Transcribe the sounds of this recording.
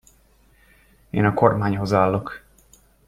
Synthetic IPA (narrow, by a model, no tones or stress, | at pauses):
ḛːnɒko̞rmaːɲho̞zaːlːo̞k